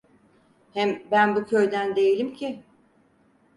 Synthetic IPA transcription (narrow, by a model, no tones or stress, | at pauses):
hɛmbænbucʰø̞jd̪ænd̪e̞jilʲimcʰi